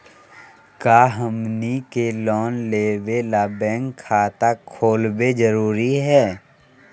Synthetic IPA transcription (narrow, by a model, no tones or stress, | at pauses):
kaːɦəmnikelɔːnleːwelaːbɛ̃ːŋɡkʰːaːt̪akʰoːlbed͡ʒəɾuːɾiɦɛː